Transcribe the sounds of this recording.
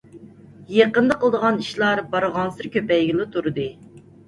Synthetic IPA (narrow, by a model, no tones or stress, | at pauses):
jeqənd̪ɑqəlˠd̪əʁɑniʃlˠɑɾbɑɾəʁɑnsɨɾkʲʰøpɛjɡʲilˠɪt̪ʰuɾɨd̪ɨ